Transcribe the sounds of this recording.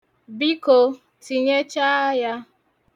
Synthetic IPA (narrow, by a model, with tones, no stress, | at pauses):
bi˦ko˨ | ti˨ɲe˦t͡ʃa˦a˦ja˦